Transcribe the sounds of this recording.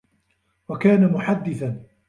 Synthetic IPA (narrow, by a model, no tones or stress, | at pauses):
wakaːnamʊħad̪ːɪθan